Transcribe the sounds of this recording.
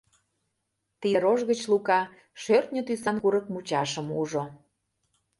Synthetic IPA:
t̪iɾoʒɣət͡ɕlukɑ | ʃørt̪nʲət̪ysɑnkuɾəkmut͡ɕɑʃəmuʒo

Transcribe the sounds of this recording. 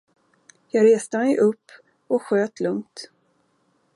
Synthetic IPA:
jɑːɡɾeːst̪əmɛjʔɵpː | ɔkɧøːt̪ʰlɵŋt̪

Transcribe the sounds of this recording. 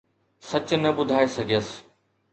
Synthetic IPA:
sɐt͡ɕnɐbʊd̪ʱaːesɐɡʱijəsɪ̥

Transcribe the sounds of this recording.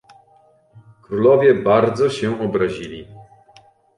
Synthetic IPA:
kɾulɔvʲjɛbaɾd̪zɔɕɛɔbɾaʑilʲi

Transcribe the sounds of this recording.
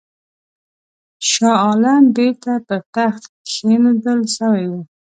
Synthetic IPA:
ʃɑɑlanbeɾt̪apəɾt̪axt̪ | xenud̪əlʃəwejwe

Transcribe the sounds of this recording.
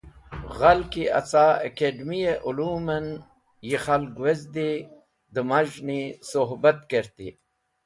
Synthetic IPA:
ɣalkiɐt͡saːəkeɖmijeʔuluːmɐn | jixɐlɡwezd̪i | d̪əmaʒnisoɦbɐt̪keɾt̪ḭ

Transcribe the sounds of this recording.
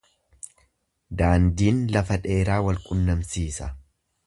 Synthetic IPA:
d̪aːnd̪iːnlɐfɐᶑe̞ːɾaːwɐlkʼʊnːɐmsiːsɐ

